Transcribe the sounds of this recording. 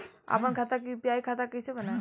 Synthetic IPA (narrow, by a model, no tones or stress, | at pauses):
a̰pəɳkʰat̪ak̬ipijajkʰat̪akəjsebəna